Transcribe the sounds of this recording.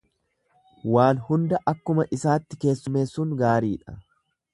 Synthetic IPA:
waːnhʊnd̪ɐʔɐkːʊmɐʔɪsaːt̪ːɪke̞ːsːʊme̞ːsːuːŋɡaːɾiːᶑɐ̰

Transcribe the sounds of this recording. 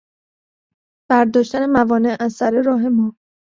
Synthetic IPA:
b̥æɾd̪ɒːʃt̪æne̞mævɒːne̞ʔæzsæɾe̞ɾɒːɦe̞mɒː

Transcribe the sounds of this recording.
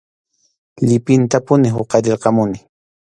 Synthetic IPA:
ʎɪpɪnt̪apʊnɪɦʊqɑɾɪɾqɑmʊnɪ

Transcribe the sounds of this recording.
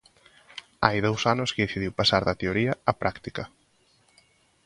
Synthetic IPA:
ajðowsanʊskɪðeθiðiwpasaɾðɐt̪eoɾiɐapɾʔakt̪ikɐ

